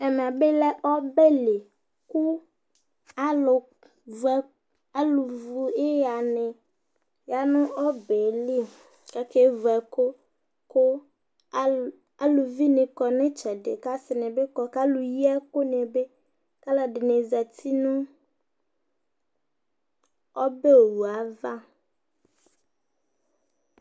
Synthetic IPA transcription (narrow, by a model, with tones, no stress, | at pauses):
ɛ˨m˨a˨be˦lɛ˦ʔɔ˦be˦le˨ | ku˦ | a˦lʊ˨ | vɛ˨ | a˦lu˨vu˨e˦ja˨nɪ˨ | ja˨nʊ̃˦ʔɔ˦be˨li˦ | ka˦ke˦vɛ˨ko˦ | kʊ˦ | a˦lʊ˨vi˦nɪ̃˨kɔ˨nɪ̃˦t͡ʃɛ˨dɪ˨ka˦sɪ˨nɪ̃˨bɪ˦kɔ˨ka˦lʊ˨ji˦ɛ˦kʊ˦n˨ɛ˨be˦ | ka˦la˨dɪ˨ne˨za˨tʰi˦nʊ̃˦ | ɔ˦be˦o˨wu˨a˨˦va˦